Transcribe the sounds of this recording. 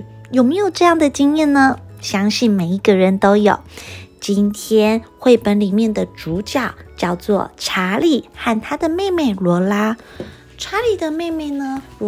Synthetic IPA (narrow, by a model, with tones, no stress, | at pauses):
jo˨˩ʊme˧˥ɪjo˨˩ʊʈ͡ʂɤ˥˧jɑ˥˩ŋd̪ə˩t͡ɕi˥ŋjɛ˥˩nnə˩ɕjɑ˥ŋɕi˥˩nme˨˩ɪi˧˥ɡə˥˧ɻə˧˥nt̪o˥ʊjo˨˩˦ʊt͡ɕi˥nt̪ʰjɛ˥nxwe˥˩ɪpə˧˥nli˨˩mjɛ˥˩nd̪ə˩ʈ͡ʂu˧˥t͡ɕjɑ˥˩ʊt͡ɕjɑ˥˧ʊt͡swɔ̰˥˩ʈ͡ʂʰa˧˥li˨˩xa˥˩nt̪ʰa˥d̪ə˨me˥˧ɪme˥˩ɪlwɔ˧˥la˥ | ʈ͡ʂʰa˧˥li˨˩d̪ə˩me˥˧ɪme˥˩ɪnə˩